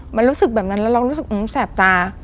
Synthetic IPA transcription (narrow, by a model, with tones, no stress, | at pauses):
ma˧nɾuː˦˥sɯ˨˩k̚bɛː˨˩p̚na˦˥nlɛː˦˥ɾa˧ɾuː˦˥sɯ˨˩k̚ʔmsɛː˨˩p̚t̪aː˧